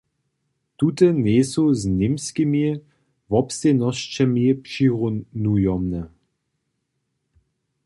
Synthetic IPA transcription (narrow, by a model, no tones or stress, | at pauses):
t̪ut̪ənesuznʲimskimi | vɔpst̪enɔst͡ʃɛmipʂiʁunujɔmnə